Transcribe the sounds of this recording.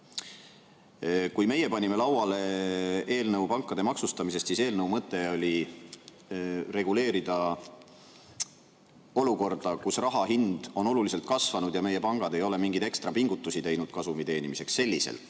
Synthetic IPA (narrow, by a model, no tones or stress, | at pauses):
kujme̞je̞pɑnʲime̞lɑwwɑle̞e̞ːlnɤwpɑŋkːˑɑd̪̥e̞mɑksust̪ɑmis̬e̞st̪siːse̞ːlnəuwmɤt̪ːˑe̞o̞lʲi | re̞ɡ̥ule̞ːɾid̪̥ɑ | o̞luko̞rd̪̥ɑkusrɑɦɑɦind̪̥o̞no̞lulise̞lt̪̚kɑsvɑnud̪jɑme̞je̞pɑŋɡ̥ɑd̪e̞jo̞le̞miŋɡ̥id̪e̞kst̪rɑpiŋɡ̥ut̪ːˑusit̪e̞jnud̪̥kɑsumit̪e̞ːnimise̞ksːe̞lʲːisḛl